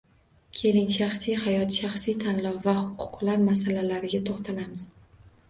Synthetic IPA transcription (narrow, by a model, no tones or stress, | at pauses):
kʲʰe̞lɪŋʃaχsijhajɒt̪ʃaχsijt̪ʰanlɒwvahʊqʰʊ̥qʰlˠaɾmasalalaɾɪɡʲat̪ʰoχt̪ʰalamɪz̥